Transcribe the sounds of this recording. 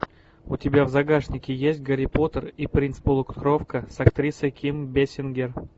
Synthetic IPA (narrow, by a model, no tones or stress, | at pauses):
ʊtʲɪbʲavzɐɡaʂnʲɪkʲɪjesʲt̚ʲɡəɾʲɪpot̪əripɾʲinspolˠʊkt̪krofkəsɐkt̪ɾʲisəjkʲimbʲesʲɪnɡʲer